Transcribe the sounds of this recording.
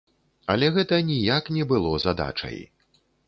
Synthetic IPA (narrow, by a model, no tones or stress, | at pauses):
ɐlʲɛɣɛt̪ɐnʲijaknʲɛbɨlˠɔzad̪a̰t͡ʂɐ̰j